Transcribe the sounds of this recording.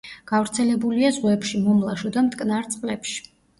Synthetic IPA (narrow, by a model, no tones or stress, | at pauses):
ɡ̥avɾt̪sʰɛlɛbuliazʁɛpʃimɔmlˠaʃɔd̪amt̪ʼkʼnaɾt̪sʼqʼlɛpʃi̥